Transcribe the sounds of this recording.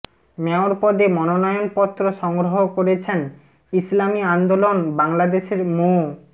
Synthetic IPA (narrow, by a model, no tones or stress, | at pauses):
mɛoɾpɔd̪emɔnonɔjonpɔt̪ːɾoʃɔŋɡɾoɦokoɾet͡ɕʰen | islamiand̪olonbaŋlad̪eʃeɾmo